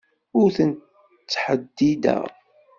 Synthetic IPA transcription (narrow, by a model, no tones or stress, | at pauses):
ʊɾθənt | t͡sːħəd̪ːid̪æ̰